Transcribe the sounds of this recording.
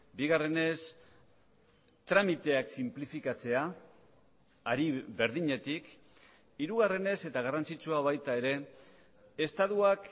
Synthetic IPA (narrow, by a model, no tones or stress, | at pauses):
biɣare̞ne̞s | t̪ɾamit̪e̞aksimplifikat͡se̞a | ɾiβe̞ɾðiɲe̞t̪ik | iɾuɣare̞ne̞se̞t̪aɣ̞arant͡sit͡suaβ̞ajt̪ae̞ɾe̞ | est̪aðuak